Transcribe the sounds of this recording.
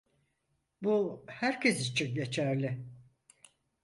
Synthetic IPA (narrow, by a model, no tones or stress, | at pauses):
buhæɾcʰesit͡ʃʰinɟe̞t͡ʃʰæɾlʲɪ